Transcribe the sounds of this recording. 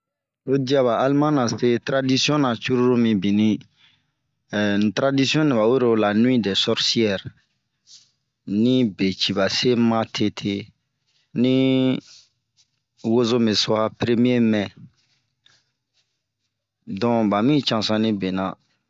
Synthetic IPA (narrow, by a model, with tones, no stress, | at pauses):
o˦di˦a˦βa˨ʔa˦lmã˦nã˨se˦tɾa˦di˦si˦ɔ̃˦nã˨t͡ʃu˦ɾu˦ɾo˦mĩ˨bĩ˨nĩ˦˨ | tɾa˦di˦si˦ɔ̃˦nĩ˨ba˨we˦ɾo˨la˨nũ˦ĩ˦dɛ˨sɔ˦ɾsi˦ɛ˦˨ɾ | nĩ˦be˨t͡ʃi˨ba˨se˦mã˦tʰe˦tʰe˦ | nĩ˦ | wo˦zo˦me˨sɔ˦a˦pɾe˦mi˦e˦mɛ̃˨ | dɔ̃˨ba˨mĩ˦t͡ʃã˨sã˦nĩ˦be˨nã˨